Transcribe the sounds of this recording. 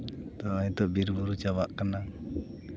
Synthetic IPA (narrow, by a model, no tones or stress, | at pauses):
t̪ɔit̪ɔʔbiɾbuɾut͡ʃawaʔkana